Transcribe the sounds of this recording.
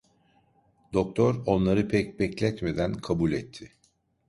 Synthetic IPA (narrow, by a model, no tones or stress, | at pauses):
d̪o̞k̚t̪ʰoɾo̞nlˠaɾɯpʰɛc̚bɛclʲɛt̪me̞d̪ænkʰabulʲɛt̪ʰːɪ